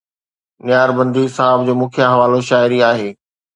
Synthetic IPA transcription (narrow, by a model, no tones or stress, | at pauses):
nɪjaːɾbɐ̃nd̪ʱisaːɪb̚d͡ʑoːmʊ̃ːkʰjaɦɐʋaːloʃaːɪɾiaːɦeː